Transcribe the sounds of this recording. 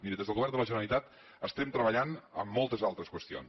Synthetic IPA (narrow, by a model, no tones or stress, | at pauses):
miɾəðezðəlˠɣuβɛrnd̪ələʒənəlit̪at̪ | əst̪ɛmt̪ɾəβəʎanə̰mːɔlˠt̪əzalˠt̪ɾəskwəst̪io̰n